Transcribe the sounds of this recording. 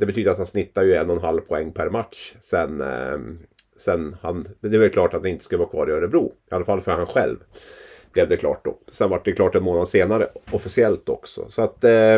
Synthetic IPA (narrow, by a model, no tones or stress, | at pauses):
d̪ɛbɛt̪ʰyːd̪əɾat̪hansnɪt̪ːajɵɛnːɔnɦalːvpʰɔɛŋːpʰæɾmat̪ʂsɛn | sɛnːhand̪ɛvɛlklɑːʈat̪̚ɛnɪnt̪ə̥skɵləvaːkʰvɑ̰ːɾɪœɾəbɾṵːɪʔalːafalːfœɾhanɧɛ̰lvb̥lɛvd̪ɛkʰlɑ̰ːʈ̚d̪ɔ̰sɛnvaʈ̚ɖ̪ɛklɑːʈɛnmoːnad̪seːnaɾəɔfɪsɪɛlt̪ɔ̰ksɔ̰sɔat̪